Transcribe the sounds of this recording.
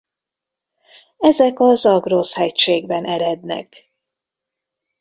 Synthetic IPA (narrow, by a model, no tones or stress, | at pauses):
ɛzɛkɒzɒɡroshɛcʃeːɡbɛnɛɾɛd̪nɛ̰k